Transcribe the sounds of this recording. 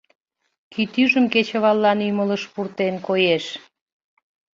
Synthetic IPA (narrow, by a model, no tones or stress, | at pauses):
kʰyt̪yʒəmket͡ɕə̆βɑlːɑnymələʃpurt̪enkojeʃ